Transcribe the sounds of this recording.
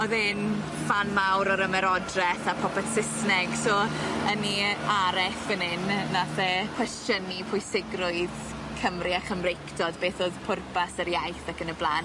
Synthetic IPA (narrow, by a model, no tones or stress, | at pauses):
ɔðɪn | fanmawɾɔɾəmɛɾɔdrɛθapʰɔpʰɛθsɪsnɛɡ̥sɔəniaɾɛfənɪnːaθɛkʰw̥ɛstənipʰʊɨsɪɡrʊɨð | kʰəmriaχəmrejkʰdɔdbeːθoːðpʰʊrpasəɾjajθakənəblˠan